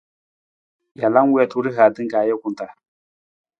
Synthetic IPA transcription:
ja˨la˦ŋ˦wɛ˦˨tu˨˦ɾi˦ɦa˨tɨ˦ŋ˦kaː˨jɛ˦kʊ˨nta˨

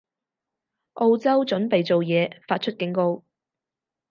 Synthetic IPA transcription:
ʔo˧wt͡sɐ˥wt͡ʃɵ˨˥npe˨jt͡so˨wjɛː˨˧faː˧t̚t͡ʃʰɵ˥t̚kɪ˨˥ŋko˥w

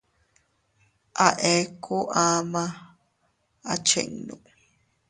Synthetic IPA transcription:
ʔa˨ʔe˦kʰo˦ʔa˦ma | a̰˨t͡ʃḛ˨ŋnu

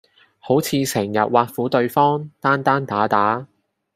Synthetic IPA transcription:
ho˨˥wt͡sʰiː˨˧sɪ˨˩ŋjɐ̰˨t̚waː˧t̚fuː˨˥t̪ɵ˧ɥfɔː˥ŋt̪aː˥nt̪aː˥nt̪aː˨˥t̪aː˨˥

